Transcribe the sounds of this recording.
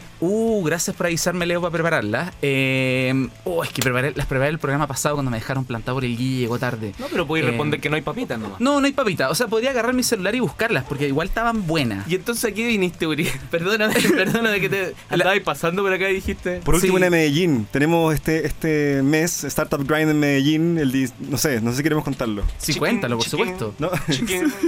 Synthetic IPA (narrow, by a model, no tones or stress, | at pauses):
uɣɾasjaspoɾaβisaɾmeleopapɾepaɾaɾlasemoehkepɾepaɾelaspɾepaɾelpɾoɣɾamapasaðokwand̪omeexaɾo̞mplant̪apoɾelɡieɣot̪aɾðenopeɾop̬weerepond̪eɾkenoajpapit̪anoma̰nonoajpapit̪aoseap̬oðɾiaːɣaraɾmiselulaɾiβuhkaɾlaspoɾkeiɣwalt̪aβambwe̞na̰jient̪onsesak̬iβinist̪euɾipeɾðonamepeɾðonameket̪e | d̪aaipasand̪opoɾakaiðixit̪epoɾueβwenameɣeʝint̪enemoseht̪eest̪emesest̪aɾt̪apɡɾajnd̪enmeɣeʝineld̪isnosenoses̬ikeɾemoko̞nt̪aɾlosikwent̪aloposupwest̪ono